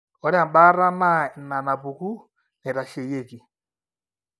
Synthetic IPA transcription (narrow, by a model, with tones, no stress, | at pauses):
ɔ˨ɾa˦˨m̩˨ɓa˦ɾa˦na˦˨na˨na˨bu˨ku˦ | nɛ˨ɾa˨ʃe˨je˦˨ki˨